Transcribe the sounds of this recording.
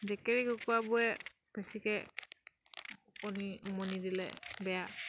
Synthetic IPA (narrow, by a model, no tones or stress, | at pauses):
dɛkɛɾikɔkuabuɛ | pɛsikɛ | ɔnimɔnidilɛ̰bɛja